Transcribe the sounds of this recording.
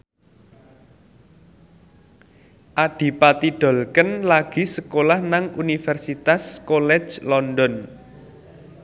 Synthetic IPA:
ʔaɖ̥i̤pat̪iɖ̥ɔ̤lkənlaɡ̥i̤səkolahnaŋunifɛrsit̪askolɛ̥d͡ʒlɔndɔn

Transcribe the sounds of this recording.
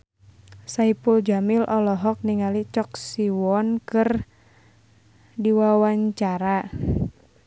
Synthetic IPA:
saipuld͡ʒamɪlʔɔlɔɦɔk̚niŋalit͡ʃɔk̚siwɔnkɨr | diwawaɲt͡ʃaɾa

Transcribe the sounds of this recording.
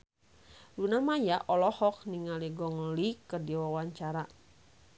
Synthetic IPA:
lunamajaʔɔlɔhɔk̚niŋaliɡɔŋlikərdiwawaɲt͡ʃaɾa

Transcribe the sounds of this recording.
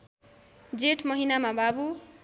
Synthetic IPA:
d͡zeʈʰmʌɦinamababu

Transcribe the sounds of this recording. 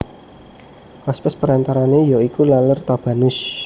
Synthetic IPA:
waspəspəɾant̪aɾanejɔikulalərt̪ab̥a̤nʊs

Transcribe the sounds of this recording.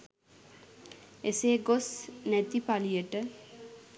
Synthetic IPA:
eseːɡosnæt̪ipalijəʈə

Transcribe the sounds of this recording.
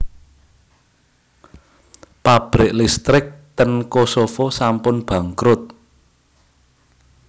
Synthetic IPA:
pab̥ɾɪʔlist̪ɾɪk̚t̪ənkosofosampʊnb̥ä̤ŋkɾʊt̪̚

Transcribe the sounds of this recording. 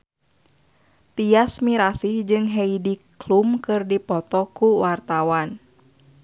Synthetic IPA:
t̪iasmiɾasihd͡ʒɨŋɦɛidiklumkɨrdipɔt̪ɔkuwart̪awan

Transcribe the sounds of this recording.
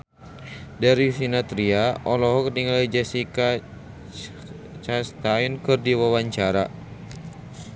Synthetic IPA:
daɾisinat̪ɾiaʔɔlɔɦɔkrniŋalid͡ʒɛsika | t͡ʃast̪ainkɨrdiwawaɲt͡ʃaɾa

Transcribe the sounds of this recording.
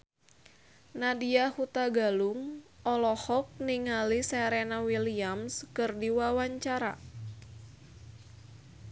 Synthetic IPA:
nadiahut̪aɡaluŋʔɔlɔhɔk̚niŋalisɛɾenawiliamskɨrdiwawaɲt͡ʃaɾa̰

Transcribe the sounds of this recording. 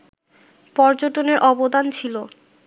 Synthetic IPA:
pɔɾd͡ʑoʈoneɾʔɔbod̪ʱant͡ɕʰilo

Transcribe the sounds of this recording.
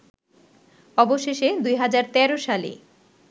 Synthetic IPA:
ɔboʃeʃed̪ujɦad͡ʑaɾt̪ɛɾoʃalḭ

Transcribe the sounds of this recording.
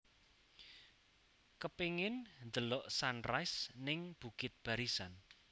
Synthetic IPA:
kəpiŋɪnnd̪əlɔʔsanrajsnɪŋb̥ṳkɪt̪̚b̥ä̤ɾisan

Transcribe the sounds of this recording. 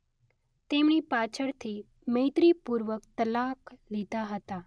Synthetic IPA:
t̪emɽ̃iːpat͡ʃʰəɽt̪ʰiː | mejt̪ɾipuɾʋəkt̪əlaklit̪aɦət̪a

